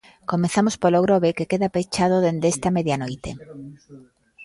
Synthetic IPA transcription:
komeθamospoloɣɾoβekekeðapejt͡ʃað̞oðend̪est̪ameðjanojt̪e

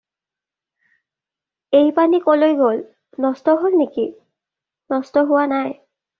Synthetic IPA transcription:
ejpanikolojɡol | nɔstɔɦolneki | nɔstɔɦʊwanaj

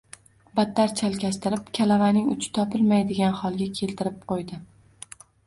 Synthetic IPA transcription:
bat̪ʰːaɾt͡ʃʰalkʲast̪ɪɾɪpkʲʰalavanɪŋʊ̰t͡ʃʰɪ̥t̪ʰɒpʰɪlmajd̪ɪɡʲanhɒlˠɡʲakʲʰe̞lt̪ʰɪɾɪp̚qʰojd̪ɪ

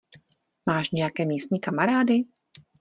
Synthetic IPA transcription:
maːʃɲɛjakɛːmiːst̪̚ɲiːkamaɾaːdɪ

